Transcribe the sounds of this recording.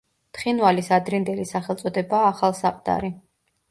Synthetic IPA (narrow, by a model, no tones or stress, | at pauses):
t̪χinvalisad̪ɾind̪ɛlisaχɛlˠt̪sʼɔd̪ɛbaːχalˠsaqʼd̪ʼa̰ɾi